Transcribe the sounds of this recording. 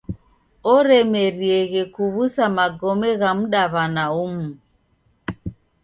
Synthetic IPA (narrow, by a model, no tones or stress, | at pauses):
ɔɾɛmɛɾiɛɣɛkuβusamaɡɔmɛɣam̩ɗaβanaumu